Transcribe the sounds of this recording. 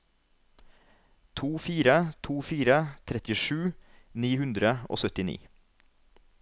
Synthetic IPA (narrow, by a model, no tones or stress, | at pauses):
t̪ʰuːfiːɾət̪ʰuːfiːɾət̪ʰɾɛt̪ɪʃʉːniːhʉnd̪ɾəʔo̰ːsœt̪ɪnḭː